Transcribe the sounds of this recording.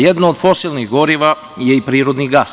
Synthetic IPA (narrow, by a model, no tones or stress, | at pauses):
jed̪nood̪fosilˠniɣɡoɾiʋa | jeipɾiːɾod̪niɡas